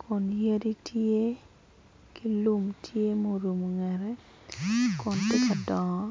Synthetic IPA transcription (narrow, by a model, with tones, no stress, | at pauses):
kʰɔ˨nje˦di˦tʰje˦ | ki˦lu˦mtʰje˦mo˦ɾu˨m˨ŋɛ˨ɾɛ˦ | kɔ˨nti˦ka˨dɔ˨ŋɔ˦